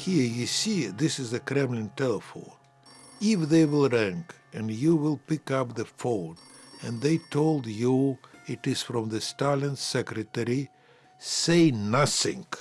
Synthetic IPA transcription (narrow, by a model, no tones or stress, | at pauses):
hiɹjɨsiðɪsɨzɨkʰɾɛ̃mlɨ̃ntɛlˠəfõ̰ʊ̃n | ɪfðeɪwɪlˠɹæ̃ŋk | ɨ̃njuwɪlˠpɪkʌp̚ðɨfon | ɨ̃nðeɪtʰoʊlˠdjuɪtɪz̥fɾɔ̃mðɨstalɨ̃nsɛkɾɨtɛɾi | seɪnʌθɪ̰̃ŋ